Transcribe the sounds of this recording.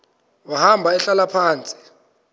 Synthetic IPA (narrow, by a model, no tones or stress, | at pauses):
wahambʱaɛɬalapʰaːnt͡sʼi̥